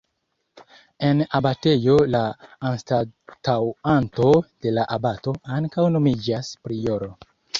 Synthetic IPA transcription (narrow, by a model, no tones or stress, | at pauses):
e̞nabate̞jo̞laːnstatawanto̞d̥e̞laʔabato̞aŋkawno̞mid͡ʒaspɾijoɾo̞